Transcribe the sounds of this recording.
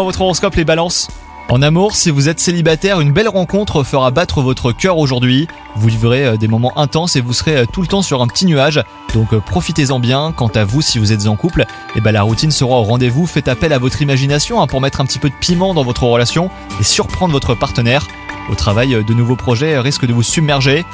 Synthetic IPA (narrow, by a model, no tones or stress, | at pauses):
vɔt̪χøʁɔskɔplebalɑ̃s | ɑ̃namuʁsivuzɛt̪selibat̪ɛʁynbɛlʁɑ̃kɔ̃t̪χəfəʁabat̪χəvɔt̪χəkʲœʁoʒuʁd̪ɥi | vuvivʁeød̪emɔmɑ̃ʔɛ̃t̪ɑ̃sevusəʁeøt̪ulət̪ɑ̃syʁɛ̃pə̥t̪inyaʒ | d̪ɔ̃kpχɔfit̪ezɑ̃bjɛ̃kɑ̃t̪avusivuzɛt̪zɑ̃kupl | ebãlaʁut̪insəʁaoʁɑ̃d̪evufɛt̪apɛlavɔt̪χimaʒinasjɔ̃ɛ̃puʁmɛt̪χɛ̃pət̪ipød̪əpimɑ̃d̪ɑ̃vɔt̪χəʁəlasjɔ̃ | esyʁpχɑ̃d̪ʁvɔt̪χəpaʁt̪ənɛːʁ | o̰t̪χavajød̪ənuvopχɔʒɛʁiskd̪əvusybmɛʁʒe